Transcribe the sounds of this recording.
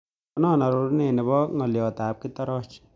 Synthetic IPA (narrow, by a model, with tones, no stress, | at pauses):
ɔ˦nɔː˦˨na˨ɾu˨ɾne˨ni˨βɔ˦ŋɔ˨li˨ɔ˨t̪a˨p̚ki˦t̪ɔ˦ɾɔ˦t͡ʃi̥˨